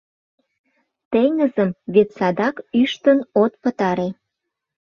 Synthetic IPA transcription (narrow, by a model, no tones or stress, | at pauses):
t̪eŋəzəmβet̪sɑd̪ɑkyʃt̪ənot̪pət̪ɑɾe